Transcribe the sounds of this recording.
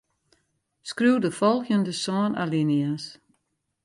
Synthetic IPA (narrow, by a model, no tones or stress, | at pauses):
skruwdəfɔlˠxjəndəsɔːna̰linias